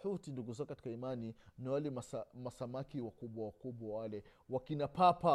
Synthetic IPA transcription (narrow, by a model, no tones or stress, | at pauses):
utinduɡuzɔkati̥kaimaniniwalɛmasamasamakiwakuɓwawakuɓwawalɛ | wakinapapa